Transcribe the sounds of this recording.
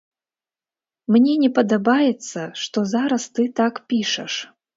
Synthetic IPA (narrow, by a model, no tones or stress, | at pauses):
mnʲɛnʲɛpɐd̪ɐbajɛt̪sːɐʂt̪ɔzaɾɐst̪ɨt̪akpʲiʂɐʂ